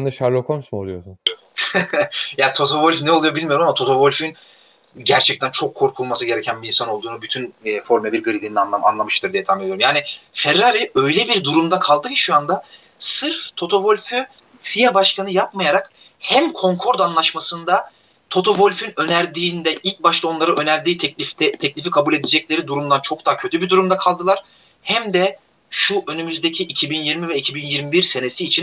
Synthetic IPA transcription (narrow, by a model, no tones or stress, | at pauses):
nd̪aʃaɾlʲˠokʰomsmolˠujosun | jaːt̪ʰo̞t̪ʰo̞volʲfnɛo̞lˠujo̞bilʲmijo̞ɾumamat̪ʰo̞t̪ʰo̞vo̞lʲfyn | ɟæɾt͡ʃʰɛk̚ct̪ʰænt͡ʃʰo̞kʰːo̞ɾkʰulˠmasɯɟe̞ɾɛcʰænbiinsano̞lˠd̪uːnubyt̪ʰynːfo̞ɾmlʲɛbiɾɡɯɾid̪inanˠaa̰nlˠamɯʃt̪ʰɯɾd̪ijɛt̪ʰamed̪ijoɾmjaːnɪfɛɾːaɾʲiø̞jlʲɛbiɾd̪uɾumd̪akʰalˠd̪ɯci̥ʃuand̪a | sɯɾft̪ʰo̞t̪ʰo̞vo̞lʲfy | fijɛbaʃkʰanɯjap̚majaɾak | hæmkʰo̞ŋkʰo̞ɾd̪anlˠaʃmasɯnd̪a | t̪ʰo̞t̪ʰo̞volʲfynø̞næɾd̪iːnd̪ɛʔilʲc̚baʃlˠao̞nlˠaɾɯø̞næɾd̪iːt̪ʰɛclʲifd̪ɛt̪ʰɛclʲifikʰabulʲe̞d̪id͡ʒɛclʲe̞ɾid̪uɾumd̪ant͡ʃʰo̞k̚d̪aːcʰø̞t̪ʰybiɾd̪uɾumd̪akʰalˠd̪ɯlˠaɾ̥ | hæmd̪ɛ | ʃuʔønymyzd̪ecʰiʔicʰibinjiɾmivɛicʰibinjiɾmibiɾse̞ne̞siːt͡ʃʰin